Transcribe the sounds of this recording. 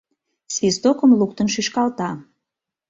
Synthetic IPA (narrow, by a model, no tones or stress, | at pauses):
svist̪okəmluk̚t̪ənʃyʃkɑlt̪ɑ